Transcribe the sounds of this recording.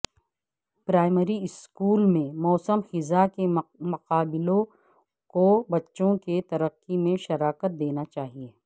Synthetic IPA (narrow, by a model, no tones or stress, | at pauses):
pɾaːɪməɾiɪskuːlmẽmɔːsəmxɪzakemɐqaːbɪlõ | kobɐtːʃõket̪ɐɾəqːimẽʃɐɾaːkət̪̚d̪eːnat͡ʃaːɦieː